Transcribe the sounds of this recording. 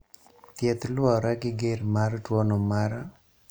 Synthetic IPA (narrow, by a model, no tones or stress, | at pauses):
t̪jɛt̪lwɔɾaɡɪɡeɾmaɾtwɔnomaɾa